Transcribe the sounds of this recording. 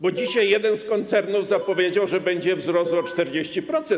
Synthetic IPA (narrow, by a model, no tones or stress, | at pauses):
bɔd͡ʑiɕajːjɛd̪ɛnskɔnt̪sɛɾnuvzapɔvʲjed͡ʑawʐɛbɛɲd͡ʑɛvzɾɔswɔt͡ʂt̪ɛɾd͡ʑeɕt͡ɕipɾɔt̪sɛ